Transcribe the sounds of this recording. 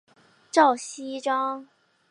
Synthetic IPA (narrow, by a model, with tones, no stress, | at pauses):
ʈ͡ʂɑ˥˩ʊɕi˥ʈ͡ʂɑ˥ŋ